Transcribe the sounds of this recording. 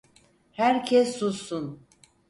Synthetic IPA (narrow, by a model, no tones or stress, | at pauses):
hæɾcʰɛsːusun